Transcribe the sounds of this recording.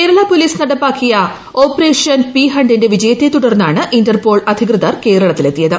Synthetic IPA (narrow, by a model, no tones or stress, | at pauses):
keːɾɐɭaːpo̞liːsnɐɽɐpːaːkːijɐ | o̞ːpɐre̞ːʂjɐnpiɦɐɳɖinde̞ʋid͡ʑɐjɐt̪ːet̪ːuɽɐrnːaːɳɨʔindɐrpo̞ːɭɐd̪ʱikrɨðɐrke̞ːɾɐɭɐt̪ːile̞t̪ːijɐðɨ